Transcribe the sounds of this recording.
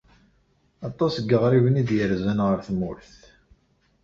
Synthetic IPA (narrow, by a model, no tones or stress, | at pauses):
ɑt̪ˤːɑsəɡːəʁɾivənid̪jəɾzænʁəɾθmːʊɾθ